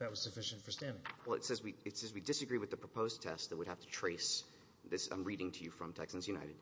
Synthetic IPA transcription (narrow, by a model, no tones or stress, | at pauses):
ðɨt̚wʌz̥sɨfɪʃɨ̃ntfə˞stæ̃ndɪ̃ŋwɛl̰ˠtsɛzwiɨtsɛzwidɨsɨɡɹiwɨðɨpʰɹ̥əpʰoʊztʰɛstðət̚wəd̚hæftʰɨ̥tʰɹ̥eɪs | ðɪsã̰ɪ̃mɹiɾɪ̃ŋtʰɨjɨfɹʌ̃mtʰɛksɨ̃n̩zjʉna̰ɪɾɨd̥̚